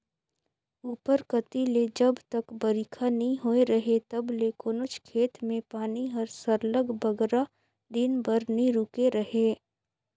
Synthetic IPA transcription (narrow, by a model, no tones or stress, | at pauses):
uːpəɾkɐt̪iled͡ʒɐbt̪ɐkbɐɾikʰanɐɦĩɦoːeɾɐɦet̪ɐblekoːnʊt͡ʃkʰeːt̪mẽpaːniɦɐɾsɐɾləɡbɐɡɾa | d̪ɪnbɐɾnĩɾukeɾɐɦeː